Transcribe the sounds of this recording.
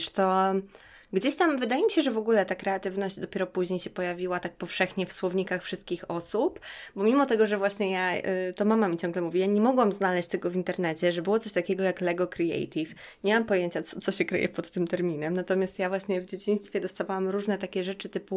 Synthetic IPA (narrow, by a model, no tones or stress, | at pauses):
ʂt̪ɔ | ɡd͡ʑeɕt̪amvɘd̪ajemʲiɕɛʐɛvɔɡulɛt̪akɾɛat̪ɘvnɔʑd͡ʑd̪ɔpʲɛɾɔpuʑɲejɕɛpɔjavʲiwat̪ak̚pɔfʂɛxɲɛfswɔvɲikaxfʂɨst̪kʲixɔsupbɔmʲimɔt̪ɛɡɔʐɛvwaɕɲɛjat̪ɔmamamʲit͡ɕɔ̃ŋɡlɛmuvʲijaɲɛmɔɡwamznalɛɕt͡ɕʲt̪ɛɡɔvʲint̪ɛɾnɛt͡ɕɛʐɛbɘwɔt̪sɔɕt̪akʲɛɡɔjaklɛɡɔkɾiɛ̰jt̪ʲif | ɲɛmampɔjeɲt͡ɕat̪sɔt̪sɔɕɛkɾɘ̰jɛ̰pɔt̪ːɘmt̪ɛɾmʲinɛmnat̪ɔmʲjast̪javwaɕɲɛvd͡ʑet͡ɕij̃st̪fʲjɛd̪ɔst̪avawamɾuʐnɛt̪akʲɛʐɛt͡ʂɘt̪ɘpu